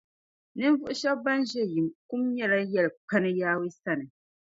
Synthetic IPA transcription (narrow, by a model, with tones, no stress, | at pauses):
nɨ˦n˦vʊ˦ʔʊ˦ʃɛ˦bba˦nʒɛ˦ji˨mku˦mɲɛ˦la˦jɛ˦lɨ˨k͡pa˦nɨ˦jaː˦wi˦sa˦nɨ˨